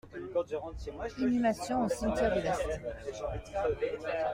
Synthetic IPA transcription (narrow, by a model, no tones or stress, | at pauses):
inymasjɔ̃osɛ̃t̪jɛʁd̪elast̪ɛ̃